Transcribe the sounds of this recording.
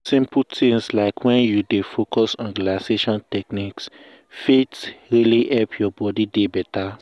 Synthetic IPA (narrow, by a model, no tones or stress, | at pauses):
sĩmputĩŋslaɪkʰwɛ̃njudefokʰɔsɔ̃nɡlaseʃɔ̃ntɛkniks | fetɹiliʔɛlpʰjɔbɔdidebɛta